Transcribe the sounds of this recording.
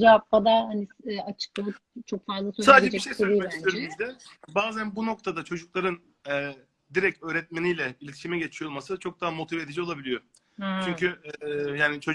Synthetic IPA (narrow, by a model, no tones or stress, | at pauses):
d͡ʒɛvapb̪ad̪ahaniɛːat͡ʃʰɯ̥k̚lˠalɯ | t͡ʃʰo̞kfazlˠasosad̪d͡ʒɛt͡ʃiʃejsoisøɾizd̪ɛbaːzænbuno̞k̚t̪ʰad̪at͡ʃʰo̞d͡ʒuklˠaɾɯn | ɛː | d̪iɾɛcø̞ːɾɛt̪̚menijlʲɛbilʲet̪ʰi̥ʃimɛɟe̞t͡ʃʰijo̞lˠmasɯt͡ʃʰok̚d̪aɦamo̞t̪ʰived̪id͡ʒio̞lˠabilʲijo̞ | t͡ʃʰyɲcʰyjaːnit͡ʃʰo̞